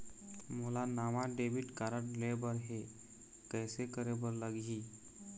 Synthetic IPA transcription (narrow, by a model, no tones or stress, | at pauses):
molanamaɖebiʈkaɾəɽlebəɾɦe | kɛːsekəɾebəɾləɡɦi